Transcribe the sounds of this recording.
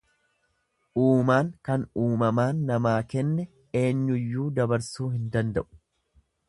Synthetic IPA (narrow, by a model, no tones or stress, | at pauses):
ʔuːmaːŋkɐnuːmɐmaːnːɐmaːkɛnːɛ | e̞ːɲːʊjːuːd̪ɐbɐɾsuːhɪnd̪ɐnd̪ɐʔʊ̥